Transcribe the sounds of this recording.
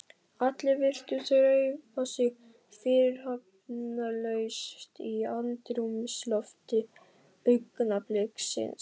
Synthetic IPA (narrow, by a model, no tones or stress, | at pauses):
at̪lɪɾvɪr̥t̪ʏθœɾœpasɪɣ | fɪːɾɪɾhœp | nalœɥst̪iant̪ɾumɪslɔft̪ɪ | pʏkːnaplɛksɪ̰ns